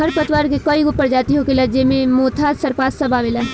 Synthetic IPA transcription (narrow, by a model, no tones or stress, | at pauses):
ɦɐɾpɐt̪waːɾkekɐiʊpːəɾd͡ʒaːt̪iɦokelɐd͡ʒemẽmoːt̪ʰasɐɾpaːssɐbʱamɪlaː